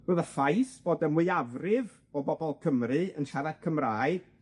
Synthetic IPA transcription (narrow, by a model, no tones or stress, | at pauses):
roːðəfajsb̥oːdəmwɨjavrɪv | ɔbɔbɔlˠkʰəmrɨənʃaɾad̥kʰəmraːɨ